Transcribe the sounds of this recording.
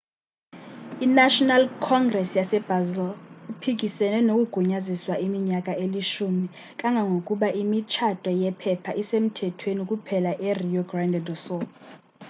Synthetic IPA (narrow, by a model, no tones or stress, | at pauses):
inaʃɔnalkʰɔŋɡrɛsjasɛb̥ʱazɛlipʰik̬ʼisɛnɛnokʼuɡ̥ʱuɲaziswaʔimiɲakʼaʔeliʃumi | kʼaŋɡʱaŋɡʱokʼuɓaʔimit͡ʃʰatʼwɛjɛpʰɛpʰaʔisem̩tʰɛtʰwenikʼupʰɛlaʔɛrijɔɡrandʱɛdɔsɔ